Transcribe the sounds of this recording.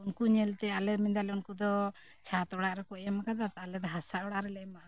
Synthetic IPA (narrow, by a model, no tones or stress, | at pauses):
unkuɲɛlt̪ɛalɛmind̪alunkud̪ɔ | t͡ʃʰat̪ɔɽaʔɾɛkɔʔjamakad̪at̪alɛd̪ɔɦasaʔɔɽaʔɾɛlɛmaʔa